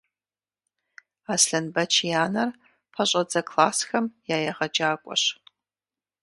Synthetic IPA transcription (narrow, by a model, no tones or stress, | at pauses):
aːsɬɐnbɐt͡ʃʰijaːnɐr | pʰɐɕʼɐd͡zɐkʰlaːsxɐmjaːjɛʁɐd͡ʒaːkʷʼɔ̰ɕ